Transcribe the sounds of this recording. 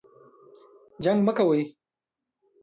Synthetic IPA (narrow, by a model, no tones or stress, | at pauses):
d͡ʒaŋɡməkawəj